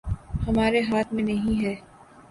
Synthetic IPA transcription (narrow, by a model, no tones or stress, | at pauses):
hɐmaːɾeɦaːt̪ʰmẽnɐɦĩɦɛː